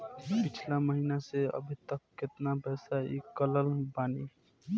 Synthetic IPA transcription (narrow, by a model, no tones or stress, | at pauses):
pit͡ʃʰlaməɦinaseə̰bʱit̪əkːet̪napɛːsaḭkələlbaːni